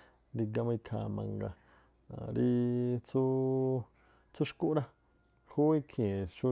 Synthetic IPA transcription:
nd̪i˧ɡa˧mã˧i˧kʰa̰˧˨mã̰˧ŋɡa̰˧˨ | ɾi˧t͡su˦ | t͡su˦ʃku˦ʔɾa˦ | hu˦i˦kʰẽ˨ʃu˦

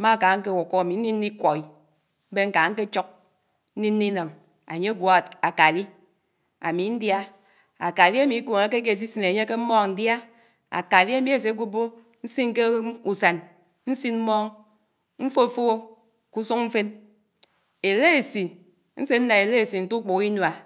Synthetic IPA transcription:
ma˦˨ka˨˦ŋ̩˦ke˦˨wo˨ko˦a˨mi˨n̩˦ni˦nː˦i˦kʷɔ˨i˨ | m̩˦be˦ŋ̩˦ka˨˦ŋ̩˦ke˦t͡ʃɔ˦k̚ | n̩˦ni˦nː˦i˦na˨m | a̰˨ɲe˦ɡwo˨a˨ka˨li˦ | a˨mi˨˦n̩˦dja˦ | a˨ka˨li˦a˦mi˨˦ko˨ŋe˨˦k̬e˦ke˦˨s̬i˦si˦ne˨ɲe˦ke˦m̩˦mɔː˦ŋ˨n̩˨dja˦ | a̰˨ka˨li˦a˦mi˨e˨s̬e˨˦ɡu˦bo˦ | n̩˦si˦nŋ˦ke˦u˨sa˨n | n̩˦si˦nm̩˦mɔ˦ŋ | m̩˦fo˦˨fo˦ | ku˦su˦ŋm̩˦fe˦n | e˨le˦e˨si˨ | n̩˦se˦n̩˦na˨e˨le˦˨si˨n̩˨tu˦k͡po˨ki˦nwa˨

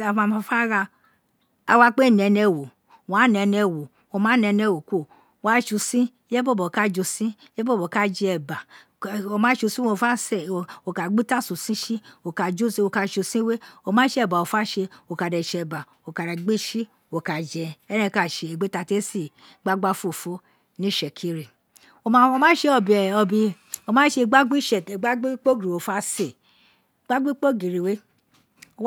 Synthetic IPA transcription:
a˨mã˧ma˧fa˦ɾa˧ | a̰˧wa˧˦k͡pe˦˨n˨ɛ˨˧nɛ˧˨wo˨ | wa˨˦nɛ˧nɛ˧˨wo˨ | o˧mãː˨˦nɛ˧nɛ˧˨wo˨kʷo˦˨ | wa˦ʃu˧sĩ˦ | le˦bo˦˨bo˨ka˦d͡ʒo˧sĩ˦e˦bo˦bo˨ka˦d͡ʒɛ˧ɛ˧˨ba˨ | o˧mã˨˦ʃu˧si˦o˧˨fa˦sɛ˦˨o˧˨ka˨ɡ͡bi˦ta˦˨su˨sĩ˦ʃi˦o˨ka˧d͡ʒu˦˨si˧˦o˧˨ka˧ʃu˧sĩ˦we˦o˧mãː˨˦ʃɛ˨ba˨o˨fa˦ʃe˧o˨˧ka˧˨dɛ˨ʃɛ˧˨ba˨ | o˧ka˧ɾa˨ɡ͡be˦ʃi˦ | o˨ka˨d͡ʒɛ˧ɛ˦ɾɛ̃˦˧˨ka˦˨ʃe˧e˨ɡ͡be˦ta˧te˦si˦˨ | ɡ͡ba˦ɡ͡ba˦fo˦˨fo˨˦ | nĩ˦ʃɛ˨kʰi˦ɾi˨ | o˧a˦o˧mã˦ʃe˧˦ɔ˧˨bi˨ɛ˨ɔ˧bĩ˧ | o˧mãː˨˦ʃe˧ɡ͡ba˦ɡ͡bi˦ʃɛ˨e˨ɡ͡ba˦ɡ͡bi˦k͡po˦ɡi˨o˨fa˦se˦˨ | ɡ͡ba˦ɡ͡bi˦k͡po˦ɡi˨ɾi˨we˨˦ | o˧

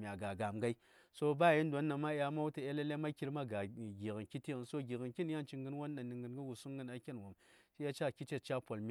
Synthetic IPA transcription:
mʲ˨a˨ɡa˨ɡa˨mɡa˦i˦ | so˦ba˦˨ji˦n˦dʷo˨˦nːa˨ma˦ja˦ma˦wti˨e˦le˦le˦ma˦ki˦ɾma˦ɡa˨ɡi˨ɣə˨nki˦ti˦ɣnso˦ɡi˨ɣi˨nki˦n˦ja˦nt͡ʃi˨ŋɡɨ˦nwo˦nː˦a˨ni˨ŋɡə˨nɡə˦ɡu˨su˦ɡɨ˦na˨˦kʲe˦nwo˨mt͡ʃi˦ja˦t͡ʃa˦˨kʲi˦t͡ʃe˦t͡ʃa˦po˨lm

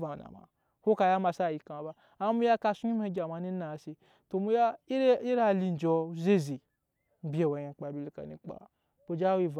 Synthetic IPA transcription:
va˨na̰˨ma̰˨ | ho˦ka˧ja˦ma˧sa˦˨ji˧ka˨ba˧ | a˦mu˦ja˦ka˧su˦i˦m˦e˦˧˦ɡʲa˨ma˧˨˦ni˦na˨si˧ | to˨mu˦ja˦i˦i˦ɾa˦li˧n˨d͡ʒɔ˧˦ze˦zi˨ | m̩˦bʲe˨wa˨je˨k͡pa˨bʲi˧li˨ka̰˨nḭ˧k͡pa̰˨ | bo˨˧d͡ʒa˦wi˧˨v

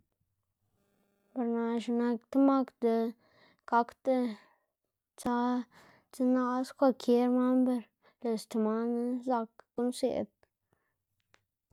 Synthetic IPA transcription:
ba˨ɾna˨ʃu˨˧na˧kt̪ə˦ma˦kd̪ə˧ | ka˦kt̪e˦ | t͡sa˦ | t͡sə˦na˦skʷa˧kʰe˦ɾma˦mbə˧ɾ | le˨st̪a˨ma˦n˦za˧kːu˦nsḛ˨d̪̚

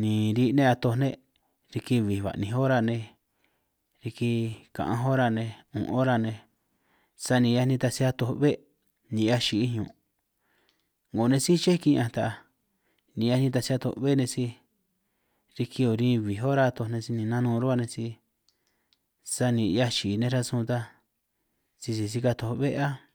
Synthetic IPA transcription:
nĩ˨ɾi˧nẽ˦˧a˧t̪o˧nẽ˦ | ɾi˧ki˧βi˨βa̰˨nĩ˧ɦo˦ɾa˧nẽ˧ | ɾi˧ki˧kã̰˨ʔã̰˧ɦo˦ɾa˧nẽ˧ṵ̃˨ʔo˦ɾa˧nẽ˧ | sa˧nĩ˧ja˧nĩ˧t̪a˧si˧a˧t̪o˧βe˦ | nĩ˧˦a˦ʃi˧ʔi˦hɲõ̰˨ | ŋɡo˨˧nẽ˧si˦t͡ʃe˦kĩ˧ã˧t̪a˧ʔa˧ | nĩ˨˧a˧nĩ˧t̪̬a˧si˧˦a˧t̪o̰˧βe˦nẽ˧si˧ | ɾi˧ki˧o˧˨ɾĩ˦˧βi˨ɦo˦ɾa˧t̪o˧nẽ˧si˧nĩ˧nã˦nũː˦˧ɾu˦a˧nẽ˧si˧ | sa˧nĩ˧a˦t͡ʃi˨˧nẽ˧ɾa˧sũ˧t̪a˧ | si˧si˧si˧ka˧t̪o˧βe˦ʔa˦

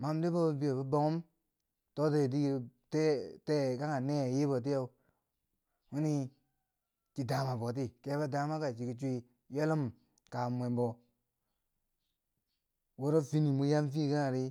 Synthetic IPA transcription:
ma˨mdi˦bo˦bbi˦jo˨ba˦bo˦ŋu˦m | to˦te˦˨d̬i˦˨te˦te˦ka˦ŋa˨ne˦˨ji˦bo˨t̬i˦o˨˦ | wu˦ni˦ | t͡ʃi˨da˨ma˨bo˨t̬i˦ke˨˦ba˦da˨˦ma˦ka˨t͡ʃi˨ki˨t͡ʃu˦i˦ | je˦lu˦m | ka˨m˨e˨mbo˨ | wo˦ɾo˦fi˦ni˨mu˦ja˦mfi˦ka˦ŋa˨ɾi˦

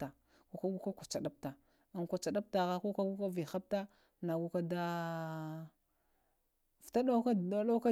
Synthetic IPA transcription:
a˨ | ku˨ka˦ɡu˦ka˦kʷa˨t͡ʃa˨ɗa˦p̚ta˨ | a˨nkʷa˨t͡ʃa˨ɗa˦p̚ta˨ɣa˦ko˦ka˦ɡu˦ka˦vi˨xa˦p̚ta˦ | na˨ɡu˦ka˦da˦ | fta˦ɗa˦ka˦˨a˨˦la˦ka˦

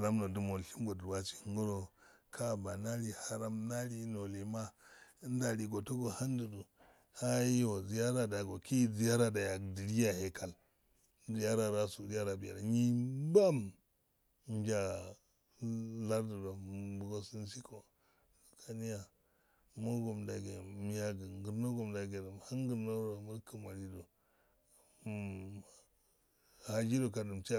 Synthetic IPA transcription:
a˨ɾa˦mno˨du˨mo˨ɬi˦mɡo˨du˨ɾwa˦t͡ʃi̥˨ŋ˦ɡu˦ɾo˦kʰa˦ba˨na˦li˨ha˨ɾa˦mna˦ɾi˦no˨li˨ma˦n˦da˨ɾi˨ɡo˨to˦ɡo˨ha˦n˦du˨du˨ | ha˦ji˦wo˨zi˨˦ja˦ɾa˨da˨ɡo˨ki˦zi˦ja˦ɾa˦da˨ja˨di˨li˦ja˨he˨ka˨l | zi˨ja˦ɾa˨ɾa˦su˨ɾi˦ja˦ɾa˨bi˨ja˨ɾɲi˦ba˦m˦ | d͡ʒa˦ | la˦ɾdu˨da˨bu˨ɡo˦si˦n˦si˦ko˨ | kʰa˨ni˦ja˨ | mo˦ɡo˨mda˨ɡe˨mi˨ja˨ɡi˨ɡu˨ɾno˦ɡo˨mda˨ɡe˨du˨mha˦ŋɡi˨ɾno˦ɾa˨mu˦ɾkʰi˨ma˨li˦do˨ | ha˨d͡ʒi˦do˨ka˨du˨mt͡ʃa˦

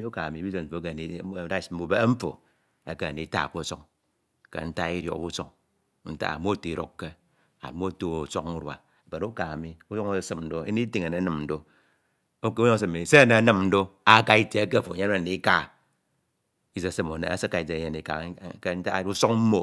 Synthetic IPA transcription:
i˦u˦ka˨a˨mi˨˦bi˦ze˦ɱ̩˨fo˨˦ke˦˨ni˨˦da˦˨m̩˦u˨be˦m̩˦fo̰˨ | e˦ke˦a˨ni˨˦ta̰˦˨k͡po˦˨so˦ŋ | kḛ˨n̩˦ta˦i˦ɾo̰˨kbu˦so˦ŋ | n̩˦ta̰˦a̰˨mo˦te˨i˨ɾo̰˦kːe˦ | a̰˨mo˦to˦o˨so˦ku˦ɾwa̰˨ | be˨n˦u˦ka˨a˨mi˦u˦jo˦ŋ˦˨sɨ˨mn̩˨do˦ḛ˦ni˦ti˦ŋe˨ne˨˦nɨ˦mn̩˨do˦ | o˦ke˦sɨ˦m˨e˨se˦e˦˨ne˨a˦nɨ˦mn̩˦do˦a˦ka˦i˦te˨e˦ke˦˨fo˨ɲe˦e˦˨ni˦ka˦˨ | i˦ze˨sɨ˦mo˨ne˨a˦se˦kːa˨i˨ze˨˦ɲe˨ni˨a̰˨˦ke˦n̩˦ta˦u˦so˦ŋm̩˦mo˨

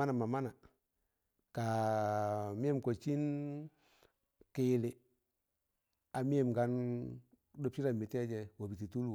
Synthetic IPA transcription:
a˦na˨ma˨ma˦na˨ | ka˨ | mi˦ɛ˦mko˨t͡ʃi˦n | kɪ˨lɪ˨ | a˨mi˦ɛ˦˨mɡa˦n | do˦p̚t͡ʃi˦ɾa˨mi˨tɛ˦d͡ʒɛ˨wa˨bi˨ti˨tu˦l

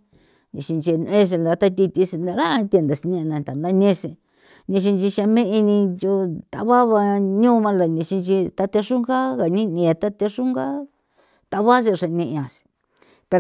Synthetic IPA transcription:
nḭ̃˨˧ʃi˧nt͡ʃi˧n˧e˦s̬e˧la˨˧t̪a˦˧t̪i˧t̪i˧si˧na˧ɾa˦˧t̪ʲe˧nd̪a˨snĩ˧nã˧t̪a˨nã˧˦nẽ˦˧se˧ | nĩ˧ʃ̬i˧nt͡ʃi˧ʃã˧mẽ˦ʔi˧nĩ˧ju˧t̪a̰˧βa˦βa˧ɲũː˦˧βã˧la˨nĩ˧ʃi˧nt͡ʃi˧t̪a˧t̪e˧ʂu˦ŋɡa˦ɣa˨nĩ˦nĩ˨˧t̪a˦t̪e˧ʂu˦ŋɡa˦ | t̪a˧βa˦s̬e˧ʂa˧nĩ˧ʔã˨si̥˧ | pe˧

